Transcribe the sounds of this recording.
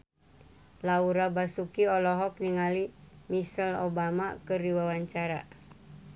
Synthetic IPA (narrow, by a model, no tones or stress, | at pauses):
lauɾabasukiɔlɔɦɔk̚niŋalimisəlobama̰kɨriwawaɲt͡ʃaɾa̰